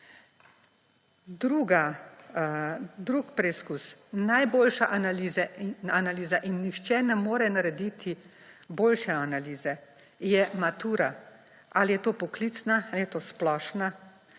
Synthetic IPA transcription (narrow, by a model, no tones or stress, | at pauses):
d̪ɾuːɡa | d̪ɾuːkpɾɛiskusnajboːlʃaʔanaliːzɛanaliːzaʔinːixt͡ʃɛnɛmoːɾɛnaɾɛd̪it̪ʰi | boːlʃɛanaliːzɛ | jɛmat̪uːɾa | alijɛt̪oːpɔkliːt̪snaalijɛt̪oːsplɔːʃna